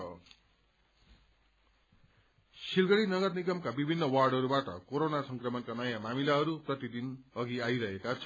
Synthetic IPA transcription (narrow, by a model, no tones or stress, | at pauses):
silɡʌɽinʌɡʌrnikʌmkabibʱinːʌwarɖʌɾubaʈʌ̰koɾonasʌŋkrʌmʌnkanʌjamamilaɦʌɾuprʌt̪id̪inʌɡiajɾʌɦekat͡sʰʌ